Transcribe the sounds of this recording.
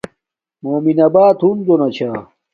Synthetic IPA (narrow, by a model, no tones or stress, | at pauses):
moːminɐbaːt̪ʰund̪onɐt͡ɕʰaː